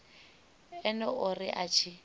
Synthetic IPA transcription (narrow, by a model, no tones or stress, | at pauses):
ɛnɛʊrɪʔat͡ʃʰi